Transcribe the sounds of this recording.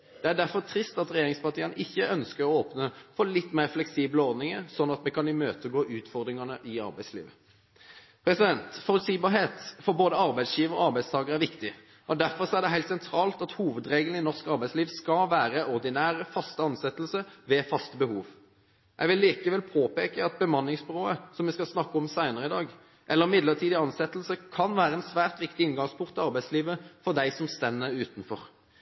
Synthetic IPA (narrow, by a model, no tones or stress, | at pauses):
d̪̥ɛæɖæɾfɔʁt̪ʰɾɪst̪ɑt̪ʁɛjeːɾɪŋspɑʁt̪ʰiːənəʔɪçːəʔœnskəʁɔoːpnəfɔlɪt̪ːmeɪːʁflɛksiːbləɔʁd̪nɪŋəɾsɔnːɑt̪mɛkʰɑnɪmøːt̪əɡoːʔʉːt̪fɔʁd̪ɾɪŋɑnəʔɪɑ̰ɾbæɪslḭːʋə | pʰɾɛsɪd̪ɛnt̪fɔlsiːbɑɦeːt̪fɔɾboːd̪əɑʁbæɪd̪sjiːʋəɾɔɑɾbæɪd̪st̪ʰɑːɡəʁæɾʋɪkt̪ɪ | ʔɔd̪æɾfɔʁsɔæʁɖ̪ɛɦæɪlt̪sɛnt̪ʰɾɑːlt̪ɑt̪huːʋəd̪ɾeːɡənɪnɔʁskɑɾbæɪsliːʋskɑʋæːɾəʔɔʁd̪ɪnæːʁəfɑst̪əɑnsɛt̪əlsəʋɛfɑst̪əbəhuːʋ | ʔɛɪɡʋɪlːiːkəʋɛlpʰoːpeːkəɑt̪̚bəmɑnːɪŋsbɾoːəsɔmʋɪskɑsnɑkːɔmsæɪnəɾəɪd̪ɑːɡ | ʔɛlːəɾmɪd̪ləʁt̪ʰiːd̪ɪɑnsɛt̪ːəl̩səkʰɑnʋæːɾəɛnsʋæːʁt̪ʋɪkt̪ɪɪnɡɑŋspʰʊŋkt̪ɪlɑɾbæɪsliːʋəfɔd̪æɪsɔmst̪ɛnːəʉːt̪n̩fɔʁ